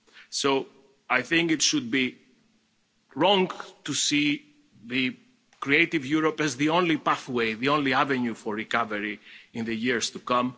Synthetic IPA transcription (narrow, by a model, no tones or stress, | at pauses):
so | ajθɪ̃ŋkitʃud̪̚bi | ɹɔ̃ŋtusi | ðɨ | kɾieɪtivjuɾopɛzðiõnlipaθweɪðiõnliavɛ̃njufɔɹɹikʌvəɹiɪ̃nðɨjiɹst̪ukʌ̃m